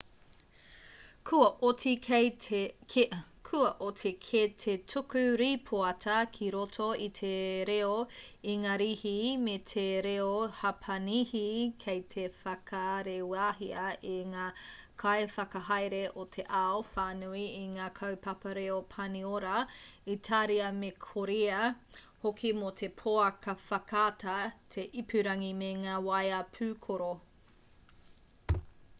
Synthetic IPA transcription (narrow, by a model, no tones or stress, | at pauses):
kʰuɐʔotik | kʰuɐʔotʰikʰetʰetʰukʉɾipʰoɐtʰɐkʰiɾotʰoitʰeɾeoiŋaːɾihimetʰeɾeohɐpʰɐnihikʰejtʰefɐkʰɐɾewaːɦiɐiŋaːkʰajfɐkɐɦajɾeʔotʰeʔaofaːnuiiŋaːkʰɐwpɐpɐɾeopʰɐnioɾɐitʰaːɾiɐmekʰoɾiɐ | hokʰimotʰepʰoɐkɐfɐkʰaːtʰɐtʰeʔipʰʉɾɐŋimeŋaːwɐjɐpʰʉːkʰoɾo